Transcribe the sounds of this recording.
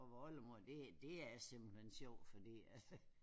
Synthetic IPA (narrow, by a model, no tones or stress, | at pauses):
ɒʋɒləmod̥e̝d̥e̝æjsem̰b̥l̩en̰̥ɕɒʊ̰̥fɒd̥ḭːæs